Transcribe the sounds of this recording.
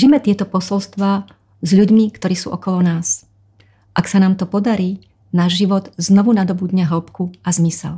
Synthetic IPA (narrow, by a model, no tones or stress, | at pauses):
ʒimɛt̪ɪɛt̪ɔpɔsɔlst̪ʋaː | zʎuɟmikt̪ɔɾiːsṵːʔɔkɔlɔnaːs | ʔaksanaːmt̪ɔpɔd̪aɾiː | naːʒʒiʋɔd̪znɔʋunad̪ɔbud̪ɲɛɦl̩pkuazmisɛ̰l